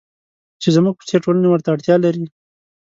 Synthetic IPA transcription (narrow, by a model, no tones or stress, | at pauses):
t͡ʃezamuɡ̚pu̥seʈolanewəɾt̪aːɽt̪jɑlaɾi